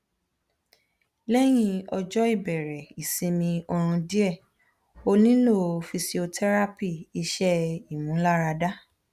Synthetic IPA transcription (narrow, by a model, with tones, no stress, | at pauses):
lɛ˦j̃ĩ˧ɔ˧d͡ʒɔ˦i˦˨bɛ˨ɾɛ˨i˨sĩ˨˧mĩ˧ɔ˧ɾ̃ũ˧di˦ɛ˦˨ | o˧nĩ˦lo˦˨˧fi˧si˧o˧tʰɛ˦ɾa˦pi˦˨i˧ʃɛ˦i˨mũ˨˦la˦ɾa˧da˦